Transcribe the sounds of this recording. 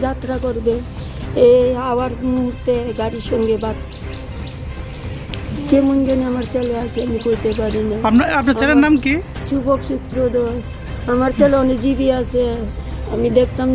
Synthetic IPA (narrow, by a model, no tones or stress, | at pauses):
d͡ʑat̪ɾakoɾbe | eaaɾmuɦuɾt̪eɡaɾiɾʃɔŋɡebat̪ | kemuɲd͡ʑoneamaɾt͡ɕeleasʰeamikoit̪epaɾinaapnaapnaɾelenamki | t͡ʃubokʃut̪ːɾod̪o | amaɾt͡ɕeleɔnekd͡ʑibiasʰe | amid̪ekʰt̪am